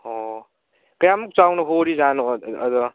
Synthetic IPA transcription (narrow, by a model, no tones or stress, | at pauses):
ɔ | kɐjamuk̚t͡ʃawnɔɦoɾizanɔːd̪ɔ